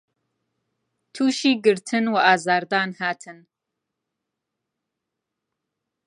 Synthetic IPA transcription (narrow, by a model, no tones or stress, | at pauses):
t̪ʰuːʃiːɡɨɾt̪ʰɨnwɐʔaːzaːɾd̪aːnhaːt̪ʰɨn